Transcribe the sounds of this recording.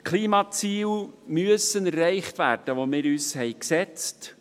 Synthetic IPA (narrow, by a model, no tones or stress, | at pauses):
kʰliːmɑt͡siːlmyəsənɛrːɛɪχtʋæːrd̥əʋomɪːɾyːshɛɪksɛt͡st